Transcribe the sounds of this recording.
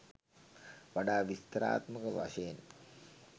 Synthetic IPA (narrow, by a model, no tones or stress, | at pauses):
ʋaɖaːʋist̪əɾa̰ːt̪məkəʋa̰ʃəjen